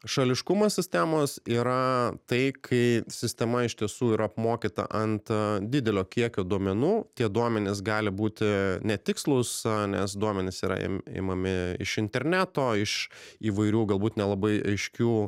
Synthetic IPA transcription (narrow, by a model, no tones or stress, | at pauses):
ʃɐlʲɪʃkʊmosʲɪsʲt̪ʲæmoːsiːɾɐt̪ɐɪkʰɐɪsʲɪsʲt̪ʲɛmɐɪʃʲt̪ʲiɛsuːiːɾʔɐɐpmoːkʲit̪ɐ̰ʔɐnt̪d̪ʲɪd̪ʲɛlʲoːkʲiɛkʲoːd̪uɔmʲɛnuːt̪ʲiɛd̪uɔmʲɛnʲɪs̬ɡɑːlʲɪbuːt̪ʲɪnʲɛt̪ʲɪkslˠʊsnʲɛsd̪uɔmʲɛnʲɪsiːɾɐ̰ɪ̰mɪ̰ːmɐmʲɪɪ̰ʃɪnʲt̪ʲɛɾʲnʲæːt̪oːɪʃiːʋɐɪɾʲuːɡɐlˠbuːt̪nʲɛlˠɐbɐɪɐɪʃʲkʲuː